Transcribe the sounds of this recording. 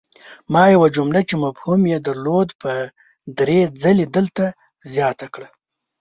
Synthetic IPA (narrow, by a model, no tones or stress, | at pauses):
mɑjawad͡ʒʊmlat͡ʃemafhumjed̪aɾlod̪pə | d̪ɾed͡zaled̪əlt̪a | zjɑt̪akɽa